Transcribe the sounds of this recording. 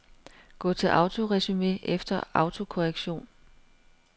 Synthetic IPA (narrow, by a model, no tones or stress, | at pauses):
ɡ̥ɔ̰̽ːt͡sʰe̝lʔɑ̈ʊt͡sʰo̝ʁɛsyme̝̰ːʔefd̥ɐɑ̈ʊt͡sʰo̝kʰo̝ʁeɡ̥ɕo̝̰ːn